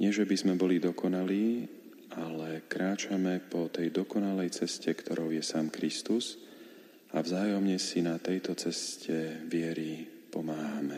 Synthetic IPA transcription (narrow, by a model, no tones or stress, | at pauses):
ɲɪɛʒɛbizmɛbɔlid̪ɔkɔnaliː | alɛkɾaːt͡ʃamɛpɔt̪ɛjd̪ɔkɔnalɛjt͡sɛscɛkt̪ʰɔɾɔʊjɛsaːmkɾist̪uz | a̰vzaːjɔmɲɛsinat̪ɛjt̪ɔt͡sɛscɛʋɪɛɾipɔmaːɦamɛ